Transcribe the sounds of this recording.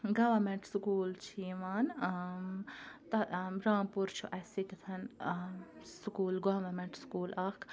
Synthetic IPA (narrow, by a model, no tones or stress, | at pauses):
ɡɐʋɐmɛ̃ɳʈskuːlt͡ʃʰiːʋaːn | t̪ɐɾaːmpuɾt͡ʃʰuʔɐsit̪ɐt̪ʰɐn | sukuːlɡɐʋɐmẽɳʈskuːlɐkʰ